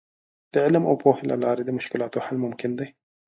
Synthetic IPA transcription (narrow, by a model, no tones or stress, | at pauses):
t̪ɪʕlamʔa̰wpoːhɪlʔa̰laːɾid̪imʊʃkɪlaːt̪oħalːmʊmkɪnd̪i